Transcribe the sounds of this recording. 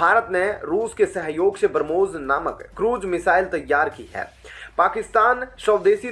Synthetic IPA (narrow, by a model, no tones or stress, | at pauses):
aːɾət̪neɾuːskesɐɦjoːɡsebɾəmoːznaːməkːɾuːd͡ʒmɪsaːɪlt̪ɐjːaːɾkḭɦɛ̰ːpaːkɪst̪aːnʃəʋd̪eːsi